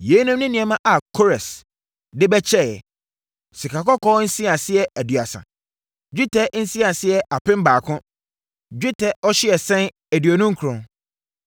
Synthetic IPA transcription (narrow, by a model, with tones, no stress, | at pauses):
je˨˦nʊ̃˦mnʊ̃˦nĩ˨ɛ˨mã˦ʔa˨kʰo˦ɾɛ˨s | dɪ˦bɛ˦t͡ɕʰɛ˦˨jɛ̰˨ | si˨kʰa˨kɔ˦kʰɔ˦n̩˦si˦a˨sɪ˦ɛ˦æ˨dɥa˨sã̰˨ | d͡ʑᶣi˦tʰɛ˦n̩˦si˦a˨sɪ˦ɛ˨ʔa˨pɪ̃˦m̩˦baː˨kʰʊ̃˦ | d͡ʑᶣi˦tʰɛ˦ɔ˦ɕɪ˦ɛ˨sɛ̃˦n | æ˨dɥo˨nʊ̃˦ŋ̩˦kʰu˨ɾɔ̃˨